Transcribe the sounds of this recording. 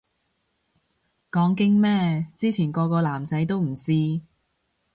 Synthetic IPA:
kɔː˨˥ŋkɪ˥ŋmɛː˥t͡siː˥t͡sʰiː˨˩nkɔː˧kɔː˧laː˨˩msɐ˨˥jt̪o˥wm̩˨˩siː˥

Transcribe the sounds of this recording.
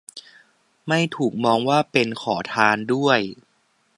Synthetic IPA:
ma˥˩jt̪ʰuː˨˩k̚mɔː˧ŋwaː˥˩pe˧nkʰɔː˩˦t̪ʰaː˧ndu˥˩əj

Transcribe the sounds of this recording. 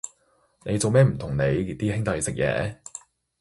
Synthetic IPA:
ne˨˧jt͡so˨wmɛː˥m̩˨˩t̪ʰʊ˨˩ŋne˨˧ji˨t̪iː˥hɪ˥ŋt̪ɐ˨˧jsɪ˨k̚jɛ̰ː˨˥

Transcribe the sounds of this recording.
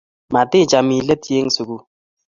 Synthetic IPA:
ma˨tɪ˦˨d͡ʒa˨mi˨lə˦tje˦ŋsu˨ɡu˦

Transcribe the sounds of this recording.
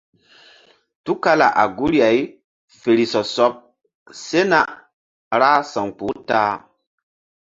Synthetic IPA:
tu˦ka˦la̰˨ʔa̰˨ɡu˦ɾja˨i˦ | fe˨ɾi˨sɔ˨sɔ˦p̚ | se˦na˦ | ɾa˦sa˨ŋk͡po˨˦ta˦

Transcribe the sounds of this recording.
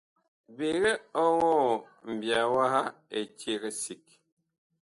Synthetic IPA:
be˨ɣe˦ɔ˦ɣɔ˦˨ | m̩˨bja˨wa˦ɦa˦e˨t͡ʃe˦ɣe˦si˨k̚

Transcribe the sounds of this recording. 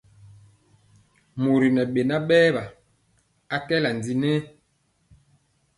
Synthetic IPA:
mo˨ɾi˨nɛ˨ɓe˨na˦ɓɛː˦ba˨ | a˨kɛ˦la˨n˨di˨nɛ˦

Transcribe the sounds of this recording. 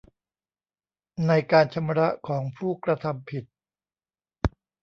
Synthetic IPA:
na˧jkaː˧nt͡ɕʰa˧mɾa˦˥ʔkʰɔː˩˦ŋpʰuː˥˩kɾa˧t̪ʰa˧mpʰi˨˩t̪̚

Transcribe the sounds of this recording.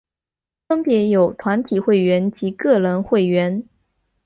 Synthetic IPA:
fə˥ŋpjɛ˧˥jo˨˩ʊt̪ʰwa˧˥nt̪ʰi˨˩xwe˥˩ɪɥɛ˧˥nt͡ɕi˧˥kɤ˥˩lə˧˥nxwe˥˩ɪɥɛ˧˥n

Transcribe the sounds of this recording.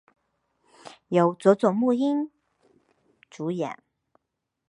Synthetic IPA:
jo˨˥ʊt͡swɔ˨˧˥t͡sʊ˨˩ŋmu˥˩i˥n | t͡su˨˧˥jɛ̰˨˩˦n

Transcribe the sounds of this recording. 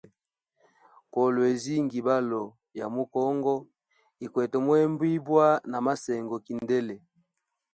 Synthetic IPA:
kɔ˨lɔ˨e˨zi˦ŋɡi˨ba˦lɔ˨ | ja˨mo˦kɔ˦ŋɡɔ˦ | i˨kwɛ˨tɔ˨mwɛ˦mbwi˦bwa˦na˨ma˦sɛ˨ŋɡɔ˨ki˨ndɛ˦le˨

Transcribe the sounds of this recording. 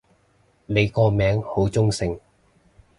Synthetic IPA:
ne˨˧jkɔː˧mɛː˨˥ŋho˨˥wt͡sʊ˥ŋsɪ˧ŋ

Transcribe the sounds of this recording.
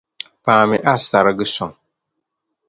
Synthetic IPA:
paː˨mɪ˦ʔa˦sa˨ɾɨ˦ɡɨ˦sɔ˨ŋ

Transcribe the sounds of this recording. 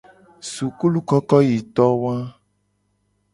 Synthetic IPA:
su˨ku˦lu˦kɔ˦kɔ˦ji˨t̪ɔ˦wã˦

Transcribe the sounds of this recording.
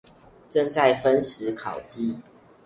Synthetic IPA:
ʈ͡ʂə˥˧ŋt͡sa˥˨ɪfə˦nʂɻ̩˨˦kʰɑ˨˩ʊt͡ɕi˦

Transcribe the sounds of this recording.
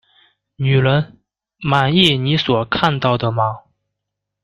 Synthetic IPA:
ny˨˩lə˧˥n | ma˨˩ni˥˩ni˧˥swɔ˨˩kʰa˥˧nt̪ɑ˥˩ʊd̪ə˩mɐ˧

